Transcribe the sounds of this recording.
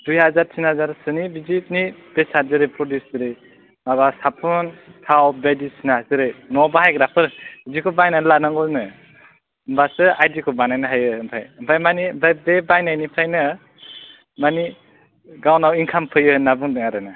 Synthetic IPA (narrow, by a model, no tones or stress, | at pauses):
dujhazaɾtʰinhazaɾsɯnibizit̚nib̥esaɾzɯɾepʰɾɔdjusdɯɾej | ŋaβasapʰɔntʰawbadisinazɯɾɯnɔbaɦajɡɾapʰɯɾizikʰɔbajnalanaŋɡɔnɯ | mbasɯajdikʰɔbanajnaɦajɯɯmpʰajɯmpʰajmanibʰajbebajnanipʰajnɯ | mani | ɡawnawinkʰampʰɯjɯnabɯŋdɯŋaɾɯna